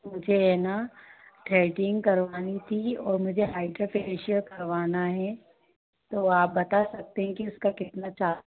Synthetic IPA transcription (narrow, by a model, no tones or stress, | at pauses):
mʊd͡ʒʱeɛːnaʈɾɛːʈɪ̃ŋɡkɐɾʋaːnit̪ʰiɔːɾmʊd͡ʒʱeɦaːɪɖɾopeːʃəɾkɐɾʋaːnaɦɛ | t̪oːaːp̚bɐt̪asɐk̚t̪eɦɛ̃kiʊskakɪt̪nat͡ʃaː